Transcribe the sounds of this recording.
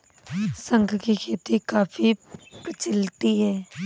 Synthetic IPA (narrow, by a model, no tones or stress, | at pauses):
sə̃ŋkkikʰeːt̪ikaːfipɾət͡ʃɪlt̪iɦɛː